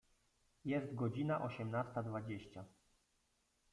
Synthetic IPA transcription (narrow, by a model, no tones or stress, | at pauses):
jɛst̪ɡɔd͡ʑinaʔɔɕɛmnast̪ad̪vad͡ʑeɕt͡ɕa